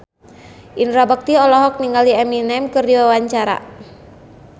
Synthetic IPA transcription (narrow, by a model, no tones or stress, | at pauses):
ʔinɾabək̚t̪iɔlɔɦɔk̚niŋɡaliɛminɛmkɨrdiwawaɲt͡ʃaɾa̰